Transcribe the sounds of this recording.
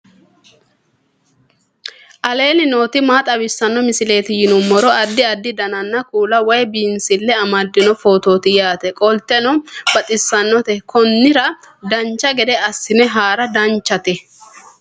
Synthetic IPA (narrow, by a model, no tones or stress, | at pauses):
ʔɐle̞ːnɪno̞ːt̪ɪmaːt̪ʼɐbɪsːɐnːɔmɪsɪle̞ːt̪ɪjɪnʊmːɔɾɔʔɐd̪ːɪɐd̪ːɪd̪ɐnɐnːɐkuːlɐwɔjbiːnsɪlːɛɐmɐd̪ːɪnɔfo̞ːt̪oːt̪ɪjaːt̪ɛkʼɔlt̪ɛnɔb̥ɐt̪ʼɪsːɐnːɔt̪ɛkʰɔnːɪɾɐ | d̪ɐnt͡ʃːɐɡɛd̪ɛɐsːɪnɛɦaːɾɐd̪ɐnt͡ʃːɐt̪ɛ